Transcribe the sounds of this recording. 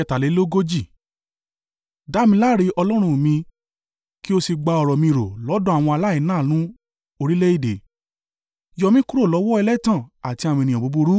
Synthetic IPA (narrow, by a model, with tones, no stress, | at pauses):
ɛ˧˨ta˨le˨˦lo˦ɡo˦d͡ʒi˦˨ | da˨˦mĩ˧la˦ɾi˧ɔ˧lɔ˦ɾ̃ũ˦˨mĩ˧ | ki˦o˦si˧ɡ͡ba˧ɔ˧˨ɾɔ˨mĩ˧i˧ɾo̰˨lɔ˨˦dɔ̃˦a˨w̃ɔ̃˧a˧la˦i˨˦nãː˦˨nũ˦ | o˧ɾi˦le˦i˦˨de˨ | jɔ˧mĩ˦ku˦ɾo˦˨lɔ˨˦wɔ˦ɛ˧lɛ˦tã˦˨a˨ti˧a˨wɔ̃˧˨nĩ˨ã˨bu˨˦bu˧ɾu˦